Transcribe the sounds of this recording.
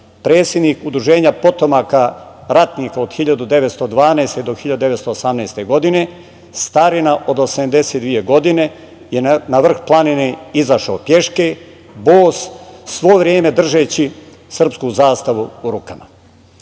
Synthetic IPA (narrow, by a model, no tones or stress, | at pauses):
pɾeːt̪sjed̪niːkud̪ɾuʒe̞ːɲapo̞t̪o̞makaɾat̪niːkaod̪xiʎad̪ud̪e̞ʋet̪st̪o̞d̪ʋaːneːst̪ed̪oxiʎad̪ud̪eʋest̪oosamnɛːst̪e̞ɡo̞d̪ine̞ | st̪aɾinaʔo̞d̪osamd̪e̞set̪d̪ʋijeɡo̞d̪ine̞ | jenaʋr̩xplˠanineizaʃaopje̞ʃke | boːssʋo̞vɾʲjeːme̞d̪r̩ʒeːt͡ɕi | sr̩pskuzaːst̪aʋuːɾuːkama̰